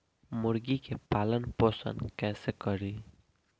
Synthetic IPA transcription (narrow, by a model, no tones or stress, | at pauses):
mʊɾɡikepaːlənpoːsə̰̃nkɛːsekəɾiː